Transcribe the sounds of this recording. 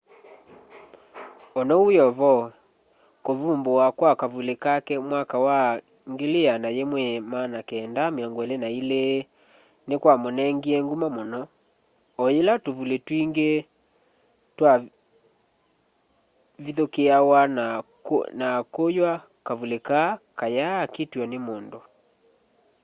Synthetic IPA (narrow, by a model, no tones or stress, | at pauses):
ɔnɔujɔvɔ | kovumboakwakavulekakɛmwakawa | ŋɡeleanajemwɛmanakɛːndameɔŋɡɛlenaile | nekwamonɛŋɡiɛŋɡumamonɔ | ɔjelatovuletwiŋɡe | twa | viðokeawana | nakojwa | kavulekakajakitwɔnemondo